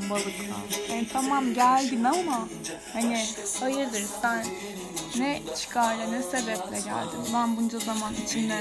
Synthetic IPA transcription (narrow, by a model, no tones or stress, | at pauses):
balˠɯklˠa̰hanit̪ʰamamɟælʲd̪imama | haniajɯɾd̪ˠɯɾbænː | ɛt͡ʃʰi̥kʰaɾlˠanɛse̞bɛplʲɛɟæ̰lʲd̪imbænbund͡ʒazamanit͡ʃʰinlɛ